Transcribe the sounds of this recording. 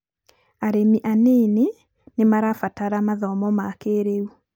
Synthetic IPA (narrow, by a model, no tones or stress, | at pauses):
aɾemiʔanene | nemaɾafataɾamaðɔmɔmakeɾeu